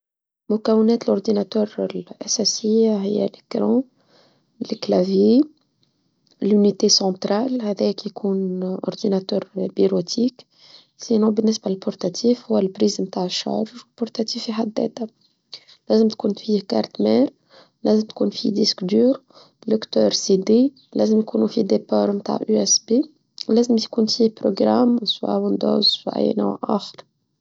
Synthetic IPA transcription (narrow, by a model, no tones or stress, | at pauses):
mʊkɛwɪnɛːt̪lʊɾd̪inat̪œːɾlʔasasɪjːaɦɪjːæ̰ləkɾɑ̃ | lɪklavje | lynit̪esɑ̃t̪ɾaːlhɛðɛːkjkʰuːnʔʊ̰ɾd̪inat̪œːɾbiɾot̪ʰiːk | sinɔ̃bənːɪsbalpʊɾt̪at̪ʰiːfhʊwːælpɾiːzmt̪aːʕəʃːa̰ɾʒwlpʊɾt̪at̪iːfiħad̪ːɛ̰ːt̪a | læːzɪmt̪kuːnfiːka̰ɾˤt̪mɛːɾ | læːzɪmt̪kuːnfḭd̪iskd̪yːɾ | d̪ʊkt̪œːɾsid̪e | læ̰ːzɪmjkuːnufid̪epɑːɾmt̪a̰ːʕʔyɛsbe | læːzɪmt̪kuːnfiːhpɾoɡɾamswa̰wɪnd̪o̰ːzwʔæ̰j̰ːna̰wʔa̰xɪ̥ɾ